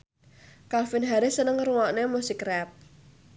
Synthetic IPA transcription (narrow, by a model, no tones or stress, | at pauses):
kalfɪnɦaɾɪsənəŋruŋɔʔnemusikrɛp̚